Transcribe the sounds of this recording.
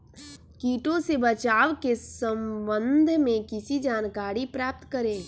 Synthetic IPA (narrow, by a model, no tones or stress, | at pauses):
kiːʈõsebət͡ʃaːʋkesə̃mbə̃nd̪ʱmẽkɪsid͡ʒaːnkaːɾipɾaːp̚t̪kəɾẽː